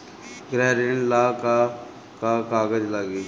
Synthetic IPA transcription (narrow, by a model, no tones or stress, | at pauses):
ɡɾɛːɾiɳlaka | kakaɡəd͡ʑlaːɡiː